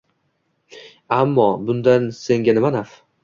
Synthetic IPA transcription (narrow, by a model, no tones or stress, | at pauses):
amːɒbʊnd̪anse̞ŋɡʲanɪmanaf